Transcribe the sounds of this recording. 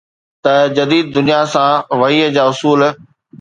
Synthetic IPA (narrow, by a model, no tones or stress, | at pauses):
t̪ɐd͡ʑɐd̪iːd̪̚ːʊnijasãʋɐɦiːəd͡ʑaːʊsuːl